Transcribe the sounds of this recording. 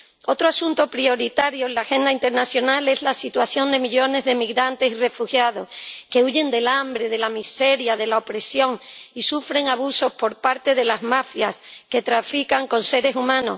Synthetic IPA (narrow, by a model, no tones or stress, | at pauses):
o̞t̪ɾoasunt̪o̞pɾio̞ɾit̪aɾjoelaxe̞nd̪aint̪e̞ɾnasjo̞nale̞zlasit̪waθjo̞nd̪e̞miʎo̞ne̞zðe̞miɣɾant̪e̞sire̞fuxjað̞o̞ske̞uʝe̞nd̪e̞lambɾeð̞e̞lamise̞ɾjaðe̞lao̞pɾe̞sjo̞ŋisufɾe̞ŋaβ̞uso̞spo̞ɾpaɾt̪e̞ðe̞lazmafjaske̞t̪ɾafikaŋko̞nse̞ɾe̞sumãno̞̰